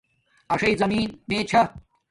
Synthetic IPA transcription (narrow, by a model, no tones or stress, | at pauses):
ɐʂɐjzɐmiːnneːt͡ɕʰɐ